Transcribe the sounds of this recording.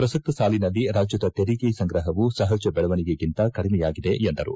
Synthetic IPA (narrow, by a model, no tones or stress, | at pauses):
pɾɐsɐk̚t̪ɐsaːlinɐlːiɾaːd͡ʒjɐd̪ɐt̪eɾiɡesɐŋɡɾɐɦɐʋusɐɦɐd͡ʒɐbɛɭɐʋɐniɡeɡint̪ɐkɐɽimɛjaːɡid̪e̞ʔːnd̪ɐɾṵ